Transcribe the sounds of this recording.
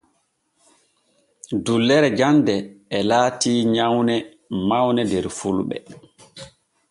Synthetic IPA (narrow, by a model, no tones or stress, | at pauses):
dulːɛɾɛd͡ʒandɛːlaːtiːɲawnɛ | mawnɛdɛɾfulɓɛ̰